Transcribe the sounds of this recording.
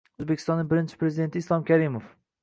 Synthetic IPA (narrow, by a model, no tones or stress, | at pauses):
ozbekʲɪ̥st̪ɒnːɪŋbɪɾɪnt͡ʃʰɪ̥pɾezɪd̪e̞nt̪ɪːslˠɒmkʲʰaɾɪmof